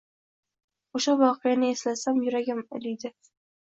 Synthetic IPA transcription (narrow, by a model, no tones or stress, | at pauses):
oʃavɒqɨjanɪeslasamjʊɾaɡʲɪmɪ̰lijd̪ɪ